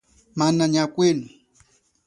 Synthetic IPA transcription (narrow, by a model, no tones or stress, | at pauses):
manaɲakʷɪnʊ